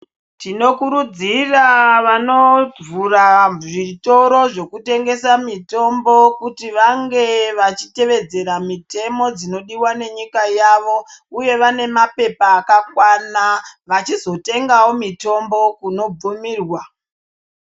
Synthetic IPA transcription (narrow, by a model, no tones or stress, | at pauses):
tino̞kuɾud͡ziraʋano̞b͡vuraʐito̞ɾo̞ʐe̞kute̞ŋɡe̞samito̞mbo̞kutiʋaŋɡe̞ʋat͡ʃi̥te̞ʋe̞d͡ze̞ɾamite̞mo̞d͡zino̞ɗiwane̞ɲikajaʋo̞uje̞ʋane̞mape̞paːkakwanaʋat͡ʃizo̞te̞ŋɡawo̞mito̞mbo̞kuno̞b͡vumiːrwa